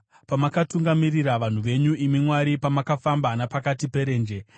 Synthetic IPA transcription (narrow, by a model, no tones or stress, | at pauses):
pamakatuŋɡamiriɾaʋan̤uʋe̞ɲuimimwaɾipamakafambanapakatipe̞ɾe̞ːnd͡ʒe̞